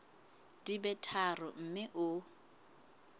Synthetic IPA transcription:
d̥ibɛtʰarʊ̰m̩mɪʔʊ

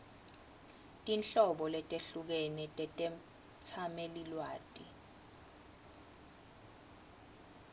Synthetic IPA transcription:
tʼinɬɔɓɔlɛtʼeɬuk̬ɛnɛtʼɛtʼɛm̩ | t͡sʰamelilwaːtʼḭ

